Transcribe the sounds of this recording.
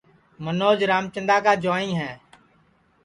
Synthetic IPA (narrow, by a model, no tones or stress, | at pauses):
mənoːd͡ʒɾaːmt͡ʃə̃nd̪aːkaːd͡ʒoːĩːɦɛː